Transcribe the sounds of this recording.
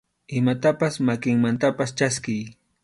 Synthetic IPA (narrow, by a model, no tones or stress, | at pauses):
ɪmat̪apasmakɪŋmant̪apast͡ʃaskɪj